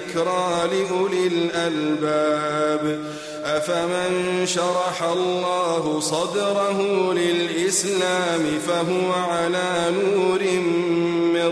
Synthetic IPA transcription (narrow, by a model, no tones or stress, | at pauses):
kɾˤɑːlɪʔʊlɪlʔalbaːb | ʔafamɪnʃɑɾˤɑħalˤːɑːɦʊsˤɑd̪ɾˤɑɦʊlɪlʔɪslaːmɪfaɦʊwaʕalaːnuːɾɪmmɪ